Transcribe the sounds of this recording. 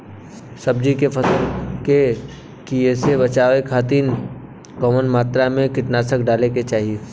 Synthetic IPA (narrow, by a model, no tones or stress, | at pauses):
sɐb̚d͡ʒikepʰɐsəlke | kiesebɐt͡ʃaːʋekʰaːt̪̬iːn | kɔmənmaːt̪ɾamẽkɪʈnaːsəkɖaːleket͡ʃaːɦieː